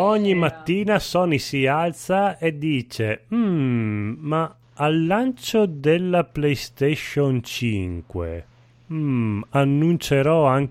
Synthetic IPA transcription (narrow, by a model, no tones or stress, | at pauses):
ɔɲːimat̪ːiːnasɔːnisialt̪saed̪ːiːt͡ʃem̩ | ma | alːant͡ʃod̪elːaplejst̪eʃont͡ʃiŋkwḛ | anːunt͡ʃeɾɔaŋ